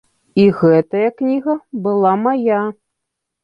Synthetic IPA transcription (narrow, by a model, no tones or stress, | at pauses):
iɣɛt̪ɐjɐknʲiɣɐbɨlˠamaja